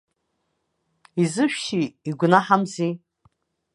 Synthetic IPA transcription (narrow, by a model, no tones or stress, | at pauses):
izɨʃᶣʃiːɡʷnaħamzi